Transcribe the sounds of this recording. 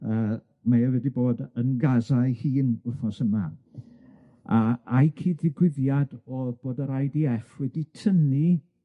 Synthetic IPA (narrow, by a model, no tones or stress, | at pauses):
əː | majavɛdiboːdənɡazajhiːnʊfɔsəma | aajkʰiːdðɪɡwɪðjadɔb̥oːdəɾajdiɛfwɛditʰəni